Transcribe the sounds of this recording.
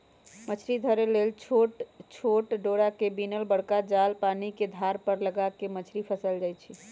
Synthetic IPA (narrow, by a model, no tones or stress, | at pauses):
mət͡ʃʰɾid̪ʱəɾelelt͡ʃʰoʈt͡ʃʰoʈɖoɽakebinəlbəɽkad͡ʒalpaniked̪ʱaɾpəɾləɡakemət͡ʃʰɾipʰəsəld͡ʒajt͡ʃʰi